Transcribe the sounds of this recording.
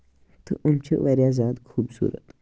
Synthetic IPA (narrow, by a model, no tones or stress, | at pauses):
t̪əʔamt͡ɕə̰ʋəɾjazad̪kʰuːbsṵːɾə̰t̪